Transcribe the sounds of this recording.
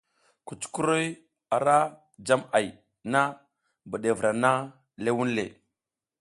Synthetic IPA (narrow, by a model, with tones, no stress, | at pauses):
ku˨t͡ʃku˦ɾo˦j | a˨ɾa˦ | d͡ʒa˦ma˨j | na˦ | bə˨ɗe˨vɾa˨na˦ | le˦wu˦nlḛ˨